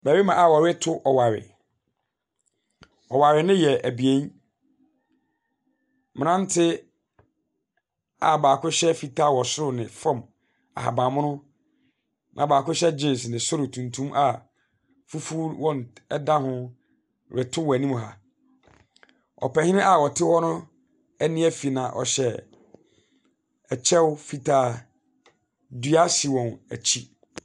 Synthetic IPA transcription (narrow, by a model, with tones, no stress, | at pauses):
bæ˨we˦mã˨a˨wɔ˨ɾɪ˦tʰʊ˦ʔɔ˨wa˨ɾɪ̰˨ | ɔ˨wa˨ɾɪ˨nɪ̃˦jɛ˨ʔæ˨bi˨ẽ˦n | mɪ̃˨nã˦n˦tʰɪ˦ | a̰˨baː˨kʰʊ˦ɕɛ˦fi˨tʰa˦˨wɔ˨sʊ˦ɾʊ˨nɪ̃˨fã˦˨m | a̰˨ha̰˨bã˨mʊ̃˦nʊ̃˦ | nʔã̰˨baː˨kʊ˦ɕɛ˦d͡ʑɪ̃˦n˨snɪ̃˨sʊ˦ɾʊ˨tʰũ˨ntʰũ˦mʔa˨ | fu˦fu˦ɾwɔ̃˦n˨ɛ˦dã˦ɦʊ̃˦ | ɾɪ˨tʰʊ˦wɔ˨æ˨nĩ˦m˨ɦa˦ | ɔ̰˨pɛ˨hɪ̃˦nɪ̃˦ʔa˨wɔ˨tʰɪ˦hɔ˦nʊ̃˦ | æ˦nĩ˦æ˦fi˨nã˨ʔɔ̰˨ɕɛ˨ | ɛ˨t͡ɕʰɛ˦wfi˦tʰaː˦ | dɥa˦si˨wɔ̃˨næ˨t͡ɕʰi˦